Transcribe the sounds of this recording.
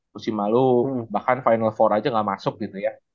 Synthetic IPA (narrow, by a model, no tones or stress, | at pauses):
kusimalubahkanfajnalfɔɾad͡ʒaŋɡaʔmasʊk̚ɡit̪uja